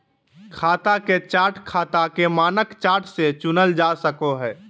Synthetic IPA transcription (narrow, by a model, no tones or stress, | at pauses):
kʰaːt̪aket͡ʃaːɾʈʰkʰaːt̪akemaːnəkt͡ʃaːɾʈʰset͡ʃʊnəld͡ʒaːsəkoɦɛː